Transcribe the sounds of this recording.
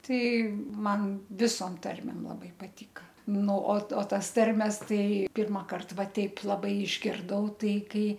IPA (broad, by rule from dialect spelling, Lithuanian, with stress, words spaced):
ˈtɐɪ ˈmɐn ˈʋʲɪsoːm ˈtɐrʲmʲeːm lˠɐˈbɐɪ pɐˈtʲiːkɐ ˈnʊ oː ˈtoː ˈtɐs ˈtɐrʲmʲɛs ˈtɐɪ ˈpʲɪrmɐkɐrt ˈʋɐ ˈtʲɛɪp lˠɐˈbɐɪ ɪʒʲɡʲɪrˈdɐʊ ˈtɐɪ ˈkɐɪ